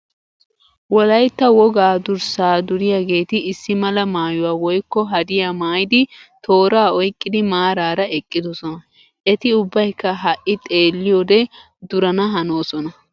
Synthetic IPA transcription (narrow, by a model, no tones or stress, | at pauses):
wɔlɐjt̪ːɐwɔɡaːd̪ʊɾsaːd̪ʊɾɪjaːɡe̞ːt̪ɪɪsːɪmɐlɐmaːjʊwaːwɔjkːɔɦɐd̪ɪjaːmaːjɪd̪ɪt̪ʰo̞ːɾaːɔjkʼːɪd̪ɪmaːɾaːɾɐɛkʼːɪd̪ɔsɔnɐ | ʔɛt̪ɪʊbːɐjkːɐɦɐʔʔɪt̪ʼe̞ːlːɪjoːd̪ɛ | d̪ʊɾɐnɐɦɐnoːsɔnɐ